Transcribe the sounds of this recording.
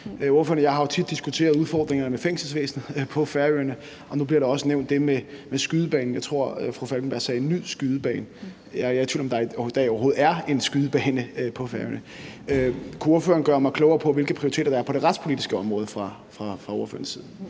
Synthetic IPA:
o̝ɐfø̰ɐnəjɑ̈ɪɦɑ̈jo̝t͡sʰid̥ːisɡ̥ut͡sʰe̝̰ːɐð̞̩ˠuð̞ˠfɒ̰ːd̥ʁeŋɐnəmefeŋ̰sl̩sʋḛːsn̩ˠpʰɒ̽fæɐøɐnə | ʔɒ̽nub̥liɐɾɑ̈ɒ̽səneʊnd̥ːe̝memesɡ̥yðˠəb̥ɛ̰ːn̩jɑ̈ɪt͡sʰʁo̝ɐ̰fʁufælɡ̥nb̥æɐ̰sɛːe̝nːyðˠsɡ̥yð̞ˠəb̥ɛ̰ːn | jɑt͡sʰḭːlɒ̽md̥ɑ̈d̥ɑɪɒʊɐɦo̝ːð̩ˠæɐe̝nsɡ̥yðˠəb̥ɛːnəpʰɒ̽fæɐø̰nə | kʰuo̝ɐfø̰ːɐn̩ɡ̥ɶɐmɑ̈ɪkʰlɔʊɐːpʰɒ̽ʋe̝lɡ̥əpʰʁiʊit͡sʰe̝ːdɐd̥ɑ̈æɐpʰɒ̽ɾ̥e̝ʁad̥spʰo̝lidisɡ̥əɒ̽mʁɔ̽ːð̞ˠəfʁɑ̈ | fʁɑ̈fʁɑ̈oɐfø̰ɐnsið̞ˠn̩

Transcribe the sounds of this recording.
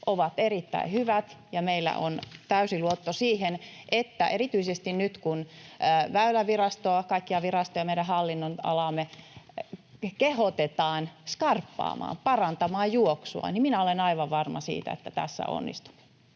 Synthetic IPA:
ʔoʋɑt̪erit̪ːæ̰ihyʋæt̪jɑmeilːæ̰ʔont̪æysiluot̪ːosiːhen | ʔet̪ːæʔeɾit̪yisest̪innyt̪kunʋæylæʋirɑst̪oɑkɑikːiɑʋirɑst̪ojɑmeiɾæhɑlːinːonɑ̰lɑmːe | kehot̪et̪ɑːnskɑrpːɑ̰ːmɑ̰ːmpɑrɑnt̪ɑmɑːjjuoksuɑ̰niminæolenɑiʋɑʋʋɑrmɑsḭːt̪æ̰ḛt̪ːæt̪æ̰sːæ̰o̰nːḭst̪u̥m

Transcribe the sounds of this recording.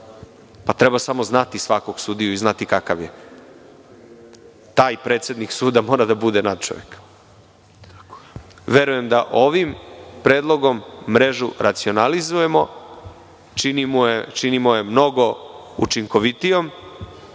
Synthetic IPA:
pat̪ɾebasamo̞znat̪isʋako̞ɡ̥suːd̪ijuiznat̪ikakaʋje̞ | t̪aːjpɾe̞ːt̪sje̞d̪niksuːd̪amo̞ːɾad̪abud̪e̞nad̪̚t͡ʃo̰jek | ʋe̞ɾuje̞md̪aʔo̞ʋimpɾe̞ːd̪lˠo̞ɡo̞mːɾe̞ʒuɾat̪sio̞nalizuje̞mo̞ | t͡ʃinimujet͡ʃinimoje̞mno̞ɡo̞ṵt͡ʃiŋko̞ʋit̪ijo̞m

